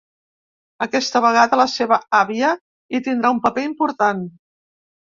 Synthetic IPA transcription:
əkɛst̪əβəɣ̞aðələseβəaβiə | it̪ind̪ɾaumpəpeimpuɾt̪an

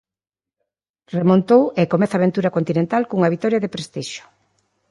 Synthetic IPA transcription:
remont̪owekomɛθaːβ̞ent̪uɾɐkont̪inẽnt̪alkuŋɐβit̪ɔɾjɐðepɾest̪iʃʊ̥

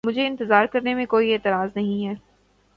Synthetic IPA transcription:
mʊd͡ʒʱeɪ̃nt̪ɪzaːɾkɐɾnemẽkoːieːt̪ɪɾaːznɐɦĩɦɛː

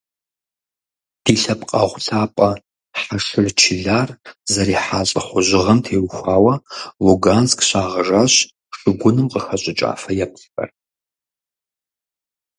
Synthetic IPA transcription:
d̥iːɬɐpqʼɐʁʷɬʰaːpʼɐ | ħaʂɨrt͡ʃʰiɮaːrzɐɾiːħaːɕʼɐħʷʊʑɪʁɐmtʰeːwxʷaːwɐvuɡanskɕaːʁɐʐaɕ | ʂɨɡʷʊnɨmqəxɐɕʷʼɪt͡ʃʼa̰ːfɐjɛp̚sxɐ̰r

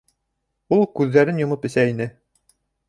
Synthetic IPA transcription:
ulˠkʉðːæɾɘnjŏmɤpɘ̆sæinɘ

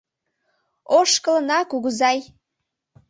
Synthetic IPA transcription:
oʃkələnɑkuɣuzɑj

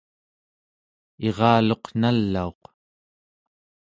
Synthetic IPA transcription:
e̞ʁɑːlo̞qn̥alːao̞q

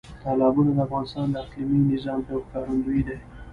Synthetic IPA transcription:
t̪ɑlɑbunad̪əafɣɑnɪst̪ɑnd̪əasliminɪzɑmt̪əwkɑɾand̪uid̪aj

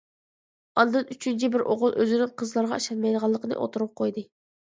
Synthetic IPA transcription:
ɑnd̪ɨnyt͡ʃʰynt͡ʃʰibɪɾʔoʁʊlˠʔøzɪnɪŋqʰəzlˠɑɾʁɑ̰ʃɑlmɑjd̪əʁɑlˠːəqʰənɨ̰ʔo̰t̪ʰuɾp̚qʰojd̪ɨ

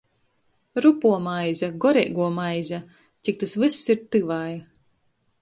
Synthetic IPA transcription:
ɾupuɔmajzʲaɡɔɾɛ̰ːɡuɔmajzʲa | t̪ʲik̚t̪asvɨsːiɾt̪ɨvaːj

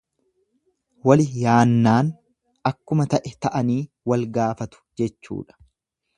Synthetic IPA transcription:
wɐlɪjaːnːaːn | ɐkːʊmɐt̪ɐʔɛt̪ɐʔɐniː | wɐlɡaːfɐt̪ʊ̥d͡ʒɛt͡ʃːṵːᶑɐ̥

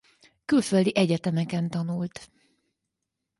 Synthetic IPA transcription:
kylføld̪iʔɛɟɛt̪ɛmɛkɛnt̪ɒnult̪

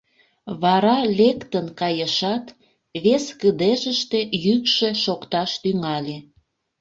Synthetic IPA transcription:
βɑɾɑlʲekt̪ənkɑjəʃɑt̪ | βeskəd̪eʒəʃt̪ejykʃeʃokt̪ɑʃt̪yŋɑlʲe

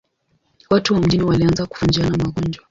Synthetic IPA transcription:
watuwam̩ʄiniwalianzaku̥fund͡ʒianamaɠɔnd͡ʒwa

